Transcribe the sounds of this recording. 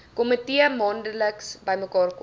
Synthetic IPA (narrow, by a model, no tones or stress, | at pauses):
komətiəmɑːndələksbəjməkɑːrk